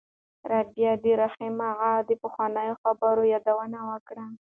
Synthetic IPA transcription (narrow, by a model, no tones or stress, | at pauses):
ɾabjɑd̪əɾaximaɣad̪əpəxwɑnəjoxabəɾojɑd̪awənawəkɽa